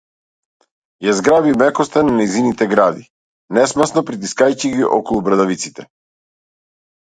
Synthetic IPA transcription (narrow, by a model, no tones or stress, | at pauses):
jazɡɾabimɛkɔst̪ananajzinit̪ɛɡɾad̪i | nɛsmasnɔpɾit̪iskajciɡiʔɔkɔlˠubɾad̪avit̪si̥t̪ɛ